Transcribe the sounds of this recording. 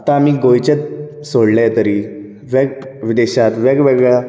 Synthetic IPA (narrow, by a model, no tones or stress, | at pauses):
at̪ãːmiːɡojt͡ɕet̪̚ | soɽlajt̪əɾiː | ʋɛɡʋid̪eɕat̪ʋɛɡʋeɡɭa